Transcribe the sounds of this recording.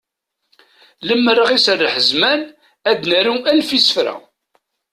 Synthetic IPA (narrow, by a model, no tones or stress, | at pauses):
ləmːərːəʁisərːəħəzmæn | æd̪næɾuælfisə̥fɾæ̰